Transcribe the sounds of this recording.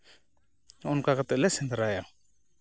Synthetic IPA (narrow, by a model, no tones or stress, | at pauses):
ɔnkakat̪ɛlɛsɛnd̪aɾaja